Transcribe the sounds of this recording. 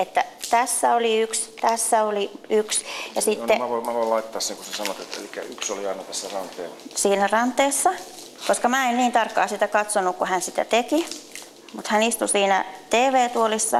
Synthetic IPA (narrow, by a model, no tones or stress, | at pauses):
et̪ːæt̪æsːæoliykst̪æsːæoliyksjɑsit̪ːeoimæʋoilɑitt̪ːˑɑːsseŋkusesɑnot̪et̪ḛlikːæ̰yksoliɑinɑt̪æsːærɑnt̪ːˑḛːlsiːnærɑnt̪ːˑeːsːɑ | koskɑmæːenniːnt̪ɑrkːɑ̰ːsit̪ækɑt̪sonukkuhænsit̪æ̰t̪eki | mut̪hænist̪usiːnæ̰t̪eːʋeːt̪uolisːɑ̰